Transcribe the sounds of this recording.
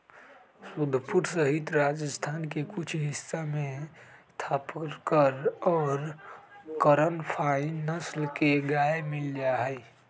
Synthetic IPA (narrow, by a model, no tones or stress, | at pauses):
sʊd̪ʱpuɾsəɦɪt̪ɾad͡ʒəst̪ʰaːnkekʊt͡ʃʰɦɪsːamẽst̪ʰaːpɾkəɾɔːɾ | kəɾənpʰainəslkeɡaːemɪld͡ʒaɦɛː